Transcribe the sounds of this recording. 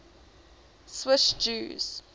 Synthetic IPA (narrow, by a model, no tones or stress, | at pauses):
swɪʃd͡ʒuːz̥